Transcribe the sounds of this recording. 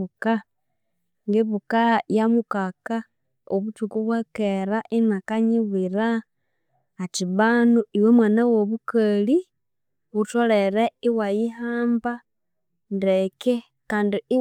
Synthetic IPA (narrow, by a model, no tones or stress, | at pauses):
uka | ŋɡeβukajamukaka | oβut͡ʃukuβwakeɾaʔinakaɲiβiɾaː | tiβanuiwemwanawoβukali | βutoleɾeiwajiɦaːmba | ndeke | kaːndii